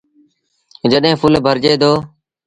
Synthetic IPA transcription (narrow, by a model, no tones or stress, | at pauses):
d͡ʒəɗɦẽːpʰʊlbʱəɾd͡ʒeːd̪oː